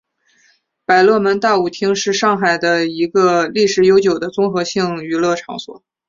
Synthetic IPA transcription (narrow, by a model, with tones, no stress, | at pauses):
pa˨˩ɪlwɤ˥˩mə˧˥nt̪a˥˩u˨˩t̪ʰi˥ŋʂɻ̩˥˧ʂɑ˥˩ŋxa˨˩ɪd̪ə˦i˧˥ɡə˧li˥˩ʂɻ̩˧˩jo˧˥ʊt͡ɕjo˨˩ʊd̪ə˦t͡sʊ˥ŋxɤ˧˥ɕi˥˩ŋy˧˥lɤ˥˩ʈ͡ʂʰɑ̰˧˥ŋswɔ̰˨˩˦